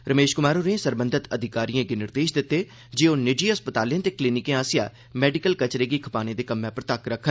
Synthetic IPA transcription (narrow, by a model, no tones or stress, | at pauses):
ɾəmeːʃkʊmaːɾoːɾẽsəɾbənd̪ʱɪt̪əd̪ʱɪkaːɾijãːɡenɪɾd̪eːʃd̪ɪt̪ːeː | d͡ʒeːoːnɪd͡ʒiːɦəspət̪aːlijãːt̪eːkliːnɪkẽːaːsɪjaː | mɛːɖɪkəlkət͡ʃɾeːɡiːkʰəpaːnẽːd̪eːkəmːẽːpəɾt̪əkɾəkʰːən